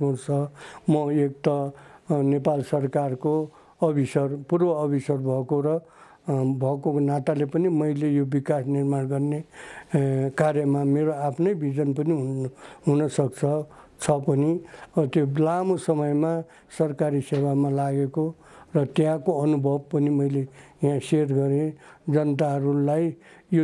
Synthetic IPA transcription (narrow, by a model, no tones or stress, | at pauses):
urt͡sʰʌmʌek̚t̪ʌnepalsʌrkarko | ʌbʱisʌrpurbʌːbʱisʌrbʱʌkoɾʌ | bʱʌkonat̪alepʌnimʌjlejobikasnirmanɡʌrne | kaɾjʌmameɾoapʰnʌjbʱid͡zʌnpʌniɦuɦunʌsʌk̚t͡sʰʌ | t͡sʰʌpʌnit̪jolamosʌmʌjma | sʌrkaɾisebamalaɡeko | rʌt̪jãkoʌnubʱʌb̚pʌnimʌjlejãserɡʌɾed͡zʌnʌt̪aɦʌɾulaj | jo